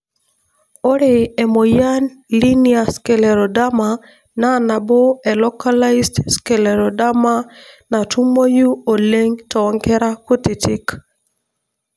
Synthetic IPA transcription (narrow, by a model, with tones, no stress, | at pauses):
o˦ɾe˨ɛ˨mo˨ja˦nli˦nia˨skɛ˨lɛ˨ɾo˨da˦ma˨ | na˦na˨bo˦ɛ˨lɔ˦kala˦isdskɛ˨lɛɾo˨da˦ma˦na˨tu˦mo˦ju˦o˨le˦ŋtɔ˨˦ŋkɛ˦ɾa˦ku˦ti˨ti˦k